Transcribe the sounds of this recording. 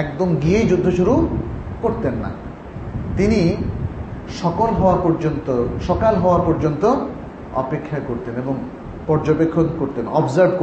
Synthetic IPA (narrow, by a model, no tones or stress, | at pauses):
ɛkd̪omɡiejd͡ʑud̪ʱːoʃuɾukoɾt̪enːa̰ | t̪ini | ʃɔkolɦɔwapɔɾd͡ʑont̪oʃɔkalɦɔoapɔɾd͡ʑont̪o | ɔ̰pekʰːjakoɾt̪eneboŋ | pɔɾd͡ʑobekʰːonkoɾt̪enɔbzaɾbk